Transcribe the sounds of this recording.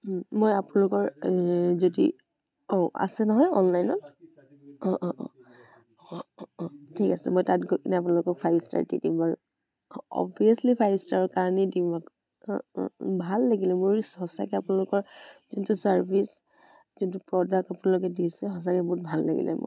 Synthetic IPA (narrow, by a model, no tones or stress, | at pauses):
mojapʊnalʊkɔɹzodḭ | ɔʔa̰sɛnɔɦɔjɔnlajnɔn | ɔ̃ʔʔ | ɔ | tʰikasɛ̰mojtatɡokinɛapʊnalʊkɔk̚fʰajbsta̰ɹtḭdḭmbaɹ | ɔ̰biaslipʰajbstaɹɔkaɹnidimak | bʱalːaɡilɛmoɹshɔsa̰kɛapʊnalʊkɔɹzintusaɹbis | zintupɹɔdak̚apʊnalʊk̬ɛdisɛɦɔs̬akɛbɔɦutbʱalːa̰ɡḭlʔɛ̰mo̰j